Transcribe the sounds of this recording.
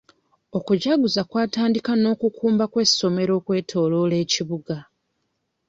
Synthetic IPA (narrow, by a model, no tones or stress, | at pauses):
o̞kuɟaɡuzakwaːtaːndikano̞ːkukuːmbakwe̞so̞me̞ɾo̞ːkwe̞ːtʰo̞ːlo̞le̞ːciβuɡa